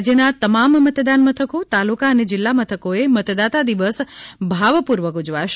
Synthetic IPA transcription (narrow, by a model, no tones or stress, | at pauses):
d͡ʒjənat̪əmamːət̪d̪anmət̪ʰəkot̪alukaəned͡ʒɪlːamət̪ʰəkoemət̪d̪at̪ad̪iʋəsbʱaʋpuɾʋəkud͡ʒʋaʃ